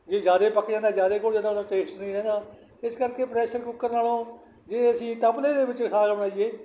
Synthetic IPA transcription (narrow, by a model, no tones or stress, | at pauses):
d͡ʒeːzjaːd̪eːpəkd͡ʒãːnd̪aːd͡ʒjaːd̪eːkoːd͡ʒãːd̪aaʈeːsʈnəĩːɾɛ̃ːnd̪aː | ɪskəɾkeːpɾɛːʃəɾkʊkːəɾnaːlõː | d͡ʒeːəsĩːt̪əpleːd̪eːbɪt͡ʃkʰaːkəbɳaːieː